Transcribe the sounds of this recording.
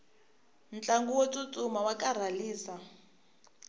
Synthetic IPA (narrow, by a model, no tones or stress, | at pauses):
n̩t͡ɬaŋɡuwot͡sʼut͡sʼumawakʼar̤aliːsa